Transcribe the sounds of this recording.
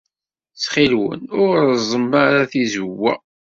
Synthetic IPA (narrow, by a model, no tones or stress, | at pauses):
t͡sχilwə̰nʊɾzˤəmːaɾaθizwːæ̰